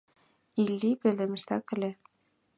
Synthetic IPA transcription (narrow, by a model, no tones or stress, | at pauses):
ilʲːipĕld̪ɘ̆mɘ̆ʃt̪ækɘ̆lʲe